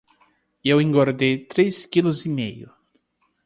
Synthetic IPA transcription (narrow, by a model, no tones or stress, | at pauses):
ewẽŋɡoɾd̪ejt̪ɾeskilʊzimejʊ